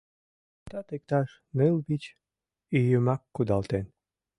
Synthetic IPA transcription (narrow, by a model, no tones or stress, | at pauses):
t̪ɑt̪ek̚t̪ɑʃ | nɨlˠbit͡ɕ | ijəmɑkːud̪ɑlˠt̪en